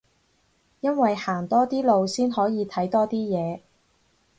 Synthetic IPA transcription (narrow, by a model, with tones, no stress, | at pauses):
jɐ˥nwɐ˨jhaː˨˩ŋt̪ɔː˥t̪iː˥lo˨˧wsiː˥nhɔː˨˥jiː˨˧t̪ʰɐ˨˥jt̪ɔː˥t̪iː˥jɛː˨˧